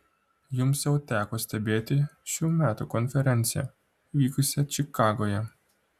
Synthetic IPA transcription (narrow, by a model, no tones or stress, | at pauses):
jumseut̪akost̪ebet̪ʲiʃiumʲat̪okonfeɾent̪sia̰ | vikusʲat͡ʃikaɡoja